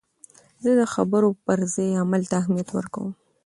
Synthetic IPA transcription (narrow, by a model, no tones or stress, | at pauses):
zəd̪əxabəɾopəɾzejamalt̪aːhmijat̪wə̰ɾka̰wəm